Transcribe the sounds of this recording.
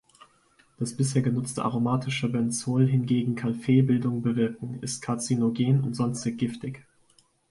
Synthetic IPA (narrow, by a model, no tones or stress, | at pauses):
d̥asb̥ɪsheːɐɡənʊt͡stə̰ʔa̰ʁomaːtʰɪʃəbɛnsoːlɦɪnɡeːɡŋ̩kʰalfeːbɪldʊŋbəvɪɐkŋ̩ɪst̚kʰaɐt͡sinoɡeːnʊntz̥ɔnstɪɡɡ̥ɪftɪç